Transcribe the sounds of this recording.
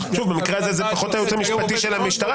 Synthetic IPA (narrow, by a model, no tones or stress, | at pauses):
ʃuvbemikʁeazezepaχo̞t̪ajut͡s̪amiʃpat̪iʃelamiʃtaʁa